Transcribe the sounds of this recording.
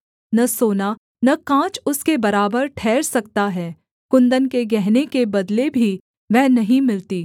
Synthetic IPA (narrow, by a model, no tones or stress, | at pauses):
nɐsoːna | nɐkãːt͡ʃʊskebɐɾaːbəɾʈʰɛːɾsɐk̚t̪aɦɛː | kʊ̃nd̪ənkeɡɛɦnekebɐd̪lebʱi | ʋɛɦnɐɦĩmɪlt̪iː